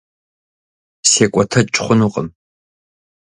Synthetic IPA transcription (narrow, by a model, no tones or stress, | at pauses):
seːkʷʼɔtʰɐt͡ʃʼχʷʊnuːqʼəm